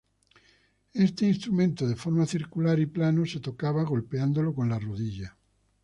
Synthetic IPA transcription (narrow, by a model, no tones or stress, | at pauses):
est̪einst̪ɾumẽnt̪oðefoɾmaθiɾkulaɾiplanoset̪okaβaɣo̞lpeand̪olokonlaroðiʎa